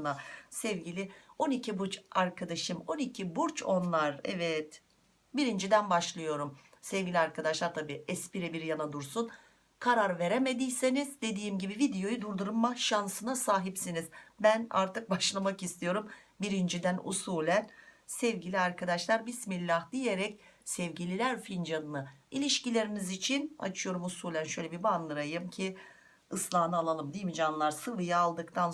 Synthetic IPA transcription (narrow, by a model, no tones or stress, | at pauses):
nasɛvɟilʲio̞nicʰibuɾt͡ʃaɾkʰad̪aʃɯmo̞nicʰibuɾt͡ʃʰo̞nlˠaɾɛ̰vɛt̪ | biɾind͡ʒid̪ænbaʃlˠɯjo̞ɾum | sɛvɟilʲiaɾkʰad̪aʃlˠaɾt̪ʰabiːɛspiɾɛbiɾjanad̪uɾsun | kʰaɾaɾve̞ɾeme̞d̪ijse̞nizd̪e̞d̪iːmɟibivid̪ejo̞jud̪uɾd̪uɾumːaʃansɯnasaːɦipsiniz̥bæna̰ɾt̪ʰɯk̚baʃlˠamakist̪ʰijo̞ɾum | biɾind͡ʒid̪ænṵsuːlʲænsɛvɟilʲiaɾkʰad̪aʃlˠaɾbismilʲːahd̪ije̞ɾɛcsɛvɟilʲilʲæɾfind͡ʒanɯnɯilʲiʃcilʲe̞ɾinizit͡ʃʰina̰t͡ʃʰɯjo̞ɾumusuːlʲænʃø̞jlʲebibanlˠɯɾajɯmcʰi | ɯslˠaːnɯalˠalˠɯmd̪ijimid͡ʒanlˠaɾsɯvɯjaːlˠd̪ɯkt̪ʰan